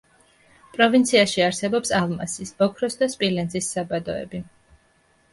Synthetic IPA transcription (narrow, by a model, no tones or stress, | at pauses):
pʼɾɔvint̪sʰiaʃiaɾsɛbɔpsalˠma̰sisb̥ɔkʰɾɔsd̪aspʼilɛnzisːabad̪ɔɛ̰bi